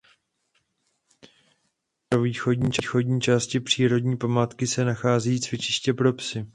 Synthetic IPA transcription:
pɾo̞viːxo̞dɲiːt͡ʃixo̞dɲiːt͡ʃaːscɪpr̝̥iːɾo̞dɲiːpamaːt̪kɪsɛnaxaːzɛjiːt͡svjɛt͡ʃɪʃcɛpɾo̞psɪ

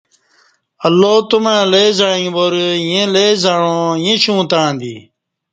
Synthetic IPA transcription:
əlːoːt̪ʊmẽːleːzaːĩːboːɾjẽːleːzaːɳõːjẽːɕũːt̪ãːnd̪ḭː

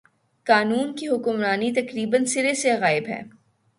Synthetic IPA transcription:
kaːnuːnkiɦʊkʊmɾaːnit̪ɐkɾiːbənsɪɾeseɣaːɪbɦɛ̰ː

